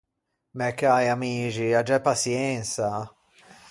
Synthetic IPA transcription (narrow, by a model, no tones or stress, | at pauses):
mɛkːajamiːt͡ʃiad͡ʒɛpːasjɛnsa